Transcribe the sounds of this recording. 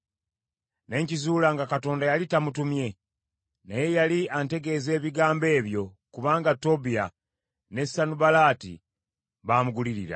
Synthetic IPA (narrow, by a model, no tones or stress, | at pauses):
ne̞ːɲcizuːlaŋɡakato̞ːndajalitamutumje̞ | naje̞jaliʔante̞ɡe̞ze̞ːβiɡaːmbe̞ːβjo̞ | kuβaːŋɡato̞bija | ne̞sanubalaːtḭ | βaːmuɡuliɾiɾa̰